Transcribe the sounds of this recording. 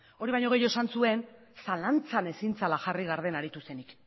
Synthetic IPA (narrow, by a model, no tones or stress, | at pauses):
o̞ɾiβajɲo̞ɣ̞e̞joesansue̞n | salant͡sane̞sint͡salaxariɣaɾð̞e̞naɾit̪use̞nik